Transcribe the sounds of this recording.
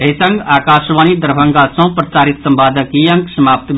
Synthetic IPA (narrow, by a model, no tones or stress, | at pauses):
eisɐŋɡaːkaːʃʋaːnid̪əɾbʱɐŋɡasɐ̃pɾɐsaːɾit̪sɐmbaːd̪ʱəkijɐŋksɐmaːp̚t̪b